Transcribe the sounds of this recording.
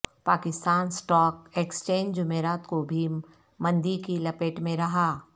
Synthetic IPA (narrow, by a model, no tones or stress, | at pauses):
paːkɪst̪aːnsʈɔːkekst͡ʃẽːɲd͡ʒd͡ʒʊmeːɾaːt̪kobʱim | mɐ̃nd̪ikilɐpeːʈmẽɾɐɦaː